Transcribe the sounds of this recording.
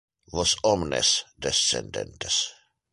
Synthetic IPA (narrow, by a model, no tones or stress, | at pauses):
ʋɔsɔmnɛ̰sd̪ɛsːɛ̰nd̪ɛ̰̃nt̪ɛs